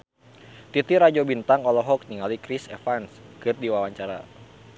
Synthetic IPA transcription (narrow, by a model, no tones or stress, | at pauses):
t̪it̪iɾad͡ʒobint̪aŋɔlɔɦɔk̚niŋalikɾisḛfanskɨrdiwawaɲt͡ʃaɾa̰